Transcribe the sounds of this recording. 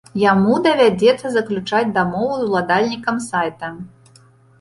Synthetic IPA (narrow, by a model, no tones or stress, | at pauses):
jamud̪ɐvʲad͡zʲɛt̪sːɐzɐklʲut͡ʂad͡zʲd̪amɔvuzwlˠad̪alʲnʲikɐmsajt̪ɐ